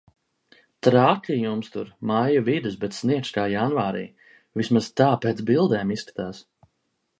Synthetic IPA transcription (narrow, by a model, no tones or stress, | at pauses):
t̪ɾaːklʲijumst̪ṵɾmajuvid̪ɨsbɛt̪sniɛkskaːjanvaːɾḭː | vismazt̪aːpeːt̪bilˠd̪ɛːmisskḁt̪aːs